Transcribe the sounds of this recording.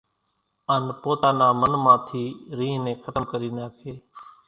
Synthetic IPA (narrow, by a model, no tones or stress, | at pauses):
aːnpoːt̪aːnãːmənmãːt̪ʰiːɾĩːɦnẽːkʰət̪əmkəɾiːnaːkʰeː